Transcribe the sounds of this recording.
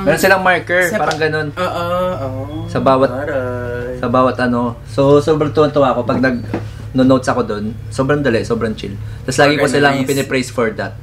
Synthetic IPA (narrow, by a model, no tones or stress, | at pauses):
mɛːɾonsɪlaŋmaɹkɛɹppaːɾɐŋɡɐno̞noːʔ | sɐbaːwɐt̪̚ | sɐbaːwɐt̪ʔɐno̞ | sosoːbɾɐŋt̪ʊʔɐnt̪ʊʔaʔɐko̞pɐɡ̚nɐɡ̚ | nonowt̪sɐko̞d̪o̞n | soːbɾɐŋd̪ɐlɛʔso̞ːbɾɐŋt͡ʃɪ̰l | t̪ɐslaːɡɪkosɪlaɐŋpɪnɛpɾɛjsfoɹd̪ɐt̪̚